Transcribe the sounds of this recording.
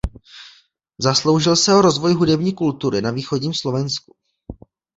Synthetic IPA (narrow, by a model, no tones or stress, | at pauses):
zaslo̞wʒɪlsɛoɾo̞zvo̞jɦudɛbɲiːkult̪uɾɪnaviːxoɟɲiːmslo̞vɛnsku̥